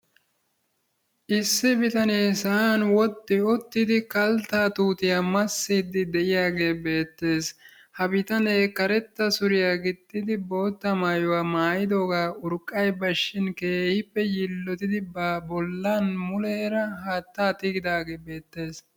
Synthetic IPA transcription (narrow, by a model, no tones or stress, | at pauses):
ʔɪsːɪbɪt̪ɐneːsɐaːnwɔt̪ːɪɔt̪ːɪd̪ɪkɐlt̪aːt̪uːt̪ɪjaːmɐsːɪd̪ːɪd̪ɛʔɪjaːɡe̞ːbe̞ːt̪ːe̞ːs | hɐbɪt̪ɐneːkːɐɾɛt̪ːɐsʊɾɪjaːɡɪd̪ːɪd̪ɪbo̞ːt̪ːɐmaːjʊwaːmaːjɪd̪oːɡaːʊɾkʼːɐjbɐʃːɪnke̞ːhɪpːɛjɪlːɔt̪ɪd̪ɪbabɔlːaːnmʊleːɾɐɦaːt̪ːaːt̪ɪɡɪd̪aːɡe̞ːbe̞ːt̪ːe̞ːs